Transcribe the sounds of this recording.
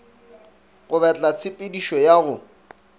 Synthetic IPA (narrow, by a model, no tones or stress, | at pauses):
ɣʊbɛt͡ɬʼat͡sʰɪpʼɪdiʃɔjaɣʊ